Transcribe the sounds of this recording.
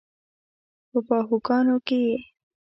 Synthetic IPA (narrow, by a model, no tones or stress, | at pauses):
pəpɑɦuɡɑnokeje